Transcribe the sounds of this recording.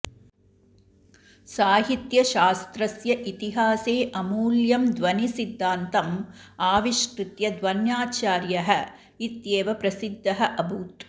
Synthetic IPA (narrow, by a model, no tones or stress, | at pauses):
saːɦit̪jɐʃaːst̪ɾɐsjɐʔit̪iɦaːseːʔɐmuːljɐmd̪ʋɐnisid̪ʱːaːnt̪ɐmaːʋiʃkɾut̪jɐd̪ʋɐnjaːt͡ʃaːɾjɐɦɐ̆ | it̪jeːʋɐpɾɐsid̪ʱːɐɦɐʔɐbʱuːt̪